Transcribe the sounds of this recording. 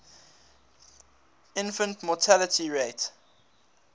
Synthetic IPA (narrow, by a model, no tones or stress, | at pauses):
ɪ̃nfə̃ntmɔtʰalətʰiɹet